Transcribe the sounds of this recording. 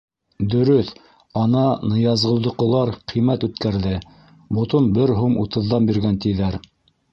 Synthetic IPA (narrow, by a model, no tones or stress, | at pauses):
d̪ɵ̆ɾɵθ | ɑnɑnɤ̆jɑzʁɤ̆lˠd̪ŏqɤ̆lˠɑɾqʰimæt̪ʉt̪kæɾðɘ | bŏt̪onbɘɾɦumut̪ɤ̆ðːɑnbiɾɡænt̪iðæɾ